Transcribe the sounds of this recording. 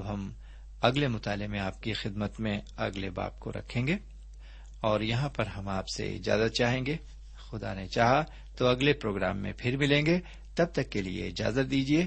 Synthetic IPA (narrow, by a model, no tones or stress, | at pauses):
ɐbɦɐm | ɐɡlemʊt̪aːlemẽaːp̚kixɪd̪mət̪mẽɐɡleba̰ːb̚ko̰ɾɐ̰kʰẽːŋɡeː | ɔːɾjɐɦãpɐɾɦɐmaːpsḛɪ̰d͡ʒa̰ːzət̪̚t͡ʃaːɦẽːŋɡeː | xʊd̪a̰net͡ʃaːɦa | t̪oɐɡlepɾoːɡɾa̰ːmːḛ̃pʰɪɾmɪlẽːŋɡe | t̪ɐb̚t̪ɐkːeliḛɪd͡ʒa̰ːzət̪̚d̪iːd͡ʒieː